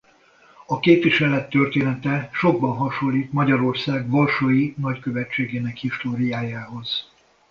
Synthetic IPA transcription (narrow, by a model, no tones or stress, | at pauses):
ɒkeːpʋiʃɛlɛt̪ːø̞rt̪eːnɛt̪ɛʃo̞ɡ̚bɒnɦɒʃolːiːt̪mɒɟɒɾo̞rsaːɡvɒrʃoːjinɒckø̞vɛt͡ʃːeːɡeːnɛkhist̪oːɾijaːjaːɦo̞z̥